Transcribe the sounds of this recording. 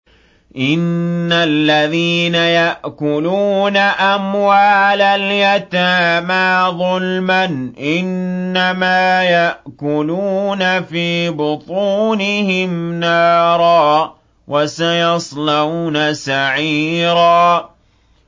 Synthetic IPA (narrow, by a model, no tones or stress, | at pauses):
ʔɪnːalːaðiːnajaʔkʊluːnaʔamwaːlaljat̪aːmaːðˤʊlmanʔɪnːamaːjaʔkʊluːnafiːbʊt̪ˤuːnɪhɪmnɑːɾˤɑː | wʔasajɑsˤlanasaʕiːɾaː